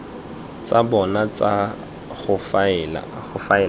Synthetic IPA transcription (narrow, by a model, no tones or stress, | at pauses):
t͡sʼabɔnat͡sa | χʊfal̰ɣʊfaɛ